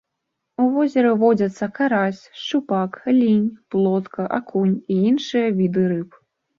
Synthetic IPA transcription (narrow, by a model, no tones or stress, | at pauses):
uvɔzʲɛɾɐvɔd͡zʲɐt̪sːɐkaɾasʲʂt͡ʂupaklʲinʲplˠɔt̪kʰɐʔakunʲiinʂɨjɐvʲid̪ɨɾɨp